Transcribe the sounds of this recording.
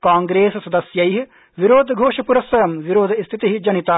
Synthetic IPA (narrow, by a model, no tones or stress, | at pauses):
kaːŋɡɾeːssɐd̪ɐsjɐjɦi | ʋiɾoːd̪ʱɡʱoːʃɐpuɾɐsʋɐjɐmʋiɾoːd̪ʱist̪ʰit̪iɦid͡ʒɐnit̪aː